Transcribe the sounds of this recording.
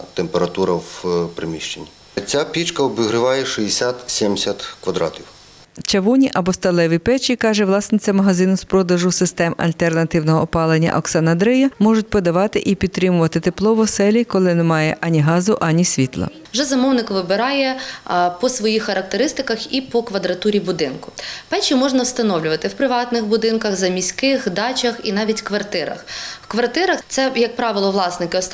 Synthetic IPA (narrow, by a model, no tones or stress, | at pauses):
t̪empeɾɐt̪uɾɐwpɾemʲiʃt͡ʃenʲːi | t͡sʲapʲit͡ʃkɐɔbɪɦɾɪʋɑjɛʃijesʲat̪sʲɛmʲsʲɐt̪kʋɐd̪ɾɑ̰tʲiw | t͡ʃɐʋunʲiʔɐbɔst̪ɐlˠɛʋipɛt͡ʃikɑʒɛʋlˠɑsnʲɪt͡sʲɐmɐɦɐzɪnʊspɾɔd̪ɐʒʊsɪst̪ɛmɐ̰lʲt̪ernɐt̪ɪwnɔɦɔːpɑlˠenʲːɐ̰ʔɔksɑnɐd̪ɾɛjɐmɔʒʊt̚ʲpɔd̪ɐʋɑt̪ɪʔipʲid̪̚t̪ɾɪmʊʋɐt̪ɪt̪eplˠɔʋɔsɛlʲikɔlˠɪnɛmɑjɛ̰ʔɑnʲiɦɑzʊʔɑnʲisʲʋʲit̪lˠɐ̰ | ʋʒɛzɐmɔwnɪkʋɪbɪɾɑjɛpɔsʋɔjixːɐɾɐk̚t̪eɾɪst̪ɪkɐxipɔkʋɐd̪ɾɐt̪uɾʲibʊd̪ɪnkʊ̥pɛt͡ʃimɔʒnɐwst̪ɐnɔwlʲʊʋɐt̪ɪwpɾɪʋɑt̪nɪxbʊd̪ɪnkɐɣzɐmʲisʲkɪɣɦd̪ɑt͡ʃʲɐxinɑʋʲitʲkʋɐrt̪ɪɾɐ̰xwkʋɐrt̪ɪɾɐxt̪sɛjɐk̚pɾɑʋɪlˠɔʋlˠɑsnɪkɪɔs